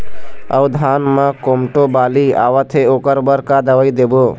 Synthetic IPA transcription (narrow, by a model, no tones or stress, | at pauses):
ə̰ʊd̪ʱaːnmãkomʈobaːlia̰ːʋət̪ʰeoːkəɾbəɾkad̪əʋəid̪eboː